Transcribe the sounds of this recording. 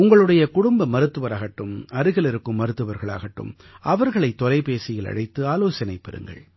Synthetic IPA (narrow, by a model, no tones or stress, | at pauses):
ʊŋɡɐɭɯɽɐjɐkʊɽʊmbɐmɐɾɯt̪ːɯʋɐɾaːɣɐʈːɯmɐɾɯɣɐɭɪɾɯkːɯmːɐɾɯt̪ːɯʋɐɾɣɐɭa̰ːɣɐʈːɯ̰m | ʔɐʋɐɾɣɐɭɐɪt̪ːɔlɐɪpeːsɪjɪlɐ̰ɽɐɪt̪ːɯaːloːsɐnɐɪpːɛɾɯ̰ŋɡɐ̰ɭ